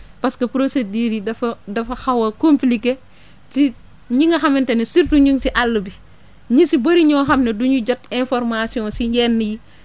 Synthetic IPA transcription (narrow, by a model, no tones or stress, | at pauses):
pɐskɐpɾosediːɾidɐfɐdɐfɐxɐwɐkomplike | ti | ɲiŋɡɐxɐmɛntɛnɐsiɾtuɲuŋsiʔalːəbi | ɲisibɐɾiɲɔːxɐmnɐduɲuɟɔtɛ̃nfɔɾmasiɔ̃ːsiɲɟɛːnːiji